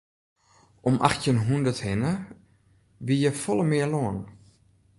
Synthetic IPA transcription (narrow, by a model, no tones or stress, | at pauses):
ʔɔmʔa̰xtjənɦundəthɪnə | ʋijəfɔlˠəmɪəloən